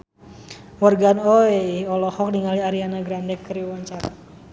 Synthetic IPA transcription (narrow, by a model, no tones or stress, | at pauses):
wərɡanɔeɔlɔhɔk̚niŋaliaɾianaɡɾandɛkːəɾiwaɲt͡ʃaɾa̰